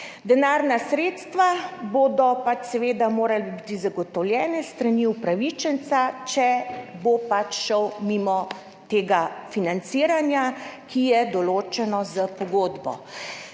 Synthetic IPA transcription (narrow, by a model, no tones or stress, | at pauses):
d̪ɛnaːɾnasɾeːt̪st̪ʋaboːd̪ɔpat͡ʃsɛʋeːd̪amoːɾalebit̪izaɡɔt̪ɔwljɛːnɛst̪ɾaniupɾaʋit͡ʃənt̪sat͡ʃɛbopat͡ʃʃəwmimɔ | t̪eːɡafinansiːɾanjakijɛd̪ɔloːt͡ʃɛnɔzapɔɡoːd̪bɔ̰